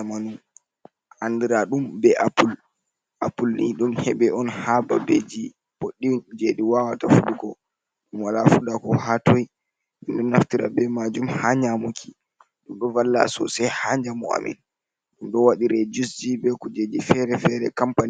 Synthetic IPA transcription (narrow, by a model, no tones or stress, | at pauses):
amanu | ʔandiɾaɗumbɛʔapul | apulniɗumhɛɓɛʔɔnhababed͡ʒi | poɗːid͡ʒediwawatafuɗuɡɔ | ɗumwalafuɗakɔhatɔj | ʔɛndɛnːaftiɾa̰bɛmad͡ʒumhaɲamukʰi̥ | ɗumɗɔvalːa̰sɔ̰sɛjhaɲd͡ʒamɔa̰mɛ̰n | ɗumɗɔwaɗiɾɛd͡ʒusd͡ʒibɛkɔd͡ʒed͡ʒifɛɾɛfɛɾɛ̰kampan